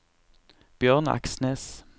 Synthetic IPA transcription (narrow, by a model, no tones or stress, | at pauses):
b̥jøːʁnɑ̰ksneːs